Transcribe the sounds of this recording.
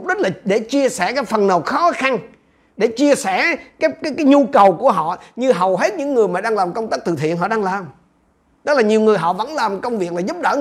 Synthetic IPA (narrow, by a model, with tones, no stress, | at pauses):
k͡p̚ɗi˦˥t̚laː˨˩ɗe˧˩t͡ɕi˧əsɛ˧˩kaː˨˦˥jfə˨˩nnə˨˩w̚xɔ˨˦xa˧n | ɗe˧˩t͡ɕi˧əsɛ˧˩kaː˦˥jkaː˨˦jkaː˨˦jɲu˧kə˨˩wku˧˩əɦɔ̰˧˨ɲɨ˧ɦə˨˩wɦe˦˥t̚ɲɨ̰˧˥ŋːɨ˨˩əjmaː˨˩ɗaː˧ŋlaː˨˩mkə˧wŋ͡mt̪aː˦˥k̚t̪ɨ̰˧˨˩t̪ʰḭ˧˨ənɦɔ̰˧˨ɗaː˧ŋlaː˨˩m | t̪ə˦˥k̚laː˨˩ɲi˨˩əwŋɨ˨˩əjɦɔ̰˧˨və̰˧˥nlaː˨˩mkə˧wŋ͡mvi˨˩ək̚aː˨˩zu˦˥p̚ɗəː˧˩